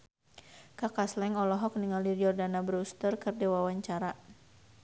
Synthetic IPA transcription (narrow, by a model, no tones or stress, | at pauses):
kakaslɛŋɔlɔɦɔk̚niŋaliriɔrdanabəɾust̪ərkərdɛwawaɲt͡ʃaɾa